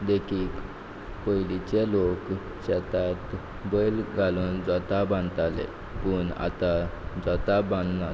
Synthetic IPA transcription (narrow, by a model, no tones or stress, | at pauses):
d̪ekʰiːk | kojlit͡ɕelok | ɕɛt̪at̪ | bəjlɡʱaluːnd͡zət̪abãnt̪alḛ | puɳa̰t̪ad͡zət̪abãnna